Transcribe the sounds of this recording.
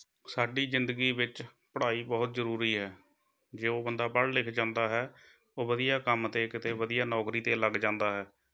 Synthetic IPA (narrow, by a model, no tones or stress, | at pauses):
saːɖiːzɪnd̪əɡiːʋɪt͡ʃ | pəɽaːiːbɔːt̪zəɾuːɾiːɦɛː | d͡ʒeːoːbənd̪aːpəɽlɪkʰd͡ʒãːnd̪aːɦɛː | oːʋəd̪ijaːkəmt̪eːkɪt̪eːʋəd̪ɪjaːnɔːkɾiːt̪eːləɡd͡ʒãːnd̪aːɦɛː